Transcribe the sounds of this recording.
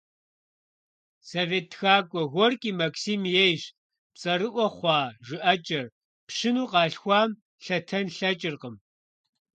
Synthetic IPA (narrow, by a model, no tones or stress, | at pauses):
soveːtxaːkʷʼɔɣʷɔrkʼiːmɐksiːmjejɕ | pt͡sʼɐɾɨʔʷɔχʷɑːʒɨʔɐt͡ʃʼɐr | pʂɨnuːqɑːɬxʷɑːm | ɬɐtʰɐnɬɐt͡ʃʼɪrqəm